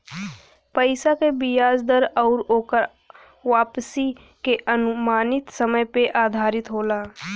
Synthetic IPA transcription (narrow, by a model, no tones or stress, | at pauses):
pəɪsakebijaːd͡ʒd̪əɾɔːɾoːkəɾ | ʋaːpsi | keʔənʊmaːnɪt̪səməjpeʔaːd̪ʱaːɾɪt̪ɦoːlaː